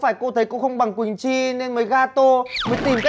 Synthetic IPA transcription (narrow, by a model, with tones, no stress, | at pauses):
faː˧˩jko˧t̪ʰə˨˦jko˧˥xə˧wŋ͡mɓa˨˩ŋkwï˨˩ŋ̟t͡ɕi˧ne˧nməː˨˦jɣaː˧t̪o˧məː˨˦jt̪i˨˩mka˦